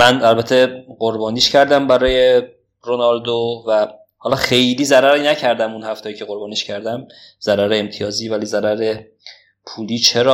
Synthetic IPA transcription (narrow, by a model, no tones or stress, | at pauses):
mænælbæt̪ʰe̞ɢoɾbɒːniːʃcʰæɾd̪æmbæɾɒːje | ɾonɒld̪ovæ | hɒlɒxe̞jliːzæɾæɾinæcʰæɾd̪æmunhæft̪ɒːjiːcʰe̞ɣo̞ɾbɒːniːʃcʰæɾd̪æmz̥æɾæɾeemt̪ʰijɒːziːvæliːzæɾæɾe | pʰuːliːt͡ʃʰeɾɒː